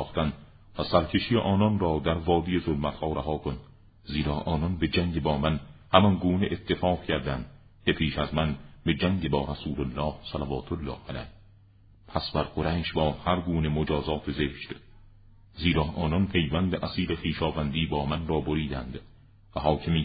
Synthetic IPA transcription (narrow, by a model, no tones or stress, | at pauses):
χt̪ænd̪ | væsæɾcʰe̞ʃijeʔɒːnɒnrɒːd̪æɾvɒːd̪ijezolmæt̪hɒːɾæɦɒːkʰon | ziːɾɒːʔɒːnɒnbe̞d͡ʒæŋɟebɒːmænhæmɒnɡuːneʔet̪ʰːe̞fɒːqcʰæɾd̪ænd̪̥ | cʰe̞pʰiːʃæzmænbe̞d͡ʒæŋɟe̞bɒːɾæsuːlolːɒːhsælævɒːt̪ʰolːɒːhælæ̰j | pʰæsbæɾqoɾæʃbɒːhæɾɡuːne̞mod͡ʒɒːzɒːt̪ʰezeːʃt̪ | ziːɾɒːʔɒːnɒnpʰe̞jvænd̪eʔæsiːlexiːʃɒːvænd̪iːbɒːmænrɒːboɾiːd̪æ̰nd̪̥ | væɦɒːkʰemiː